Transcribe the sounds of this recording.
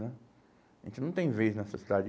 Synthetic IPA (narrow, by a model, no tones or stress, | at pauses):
nɛ | ʒẽnt͡ʃɪnɐ̃t̪ẽj̃vejznɛsɐsid̪ad͡ʒ